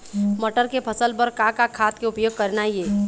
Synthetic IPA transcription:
mɐʈəɾkepʰɐsəlpəɾkakakʰaːt̪keʊpjoːɡ̚kɐɾnajeː

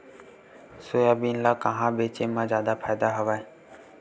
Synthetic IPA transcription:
soːjaːbiːnlaːkəɦãːbeːt͡ʃeːmãːzjaːd̪aːpʰaːjd̪aːɦəʋaːe

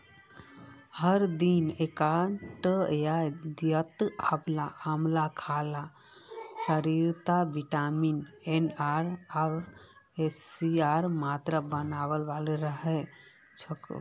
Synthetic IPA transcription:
həɾd̪inekaɳʈjad̪jət̪əblaamlakʰala | səɾiɾt̪abiʈaminenaɾaɾ | esiaɾmat̪ɾəbənaβəlʋalɾəɦɛ | t͡ʃʰək

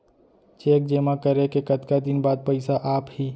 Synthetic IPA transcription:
t͡ʃeːk̚d͡ʒeːmakəɾekekət̪kad̪ɪnbaːd̪̚pəɪsaʔaːphiː

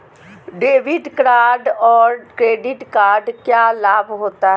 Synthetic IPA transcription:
ɖeːʋɪɖkɾaːɖɔːɾkɾeːɖɪʈkaːɾɖkjaːlaːbɦoːt̪aːɦ

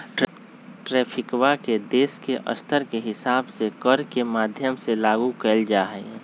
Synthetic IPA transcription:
ʈ | ʈɾɛːpʰɪkwaked̪eːskeʔə̰st̪ʰəɾkeɦɪsaːbsekəɾkemaːd̪ʱjəmselaːɡukɛld͡ʒaːɦɛ

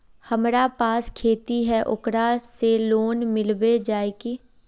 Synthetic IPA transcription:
həmɾapaːskʰeːt̪iɦɛʔʊkɾaseloːnmɪlʋed͡ʒaːeɡeː

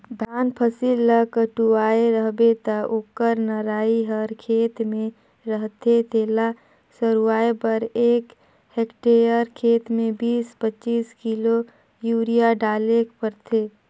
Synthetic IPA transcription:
d̪ʱaːnpʰəsilːəkəʈuaːeɾəɦbet̪əʔoːkəɾnəɾaːiɦəɾkʰeːt̪mẽ | ɾəɦt̪ʰet̪ʰela | səɾuaːepəɾeːk | hekʈeɾjəɾkʰeːt̪mẽbiːspət͡ʃiːskilo | juːɾijaɖaːlekpəɾt̪ʰe

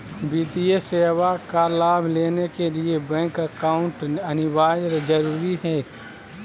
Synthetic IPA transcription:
biːt̪iesewakalaːbʱleːnekeliebɛ̃ŋkəkaːʊ̃ɳʈɐnɪwaːjɾd͡ʒəɾuːɾiɦɛː

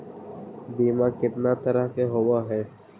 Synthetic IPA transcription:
biːmaːkɪt̪nat̪əɾəɦkeɦowaɦɛː

